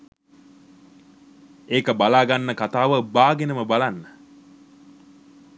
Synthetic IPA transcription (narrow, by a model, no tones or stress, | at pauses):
eːkəbalaːɡanːəkat̪aːʋəbaːɡenəməbalanːə